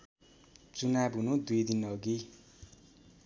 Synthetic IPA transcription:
t͡sunabɦunud̪ujd̪inʌɡi

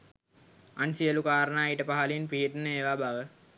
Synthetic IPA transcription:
ansiəlukaːɾənaːjiʈəpaɦalinpiɦiʈənəeːʋaːbaʋə

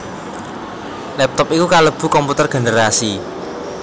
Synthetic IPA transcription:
lɛp̚t̪ɔpikukaləb̥ṳkɔmput̪ərɡ̥e̤nəɾasi

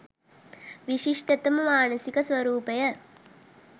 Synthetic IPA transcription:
ʋiʂiʂʈɐt̪ːɐmmaːnɐsikɐsʋɐɾuːpɐjɐ

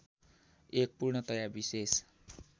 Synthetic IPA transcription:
ek̚purnʌt̪ʌjabises

